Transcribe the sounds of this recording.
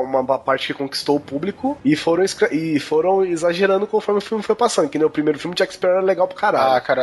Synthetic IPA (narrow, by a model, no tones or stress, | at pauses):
ũmɐɐpaɾt͡ʃɪ̥kɪkõki̥st̪owʊpublikʊɪfoɾɐ̃w̃iskɾeʔɪfoɾɐ̃w̃izaʒeɾɐ̃nd̪ʊkõmfɔɾmɪʊfiuwmɪfojpasɐ̃nd̪ʊ̃kɪnewʊpɾimejɾʊfiumɪd͡ʒɛkspɛ̃ɛɾleɡawpɾɐ̥kaɾakaɾa